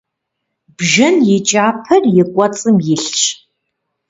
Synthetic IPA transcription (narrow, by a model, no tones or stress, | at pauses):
bʒɨnjɪt͡ʃʼaːpʰɐrjɪkʷʼɔt͡sʼɨmjɪɬt͡ʃʰʼ